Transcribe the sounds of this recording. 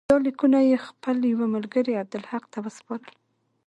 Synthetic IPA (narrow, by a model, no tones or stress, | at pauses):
d̪ɑlikunajexpəljawamalɡəɾiab̚d̪ɪlhaqt̪awəspɑɾəl